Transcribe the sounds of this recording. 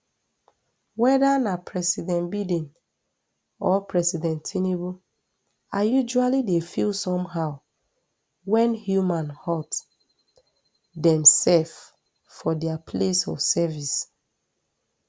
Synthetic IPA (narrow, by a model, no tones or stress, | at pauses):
wɛdanapʰɹɛsidɛ̃nbidĩn | ɔpʰɹɛsidɛ̃ntʰinibu | ajud͡ʒualidefilsɔ̃mɦaʊ | wɛ̃nhjumãnhɔt | dɛ̃msɛlf | fɔdɛapʰlesɔsɛvis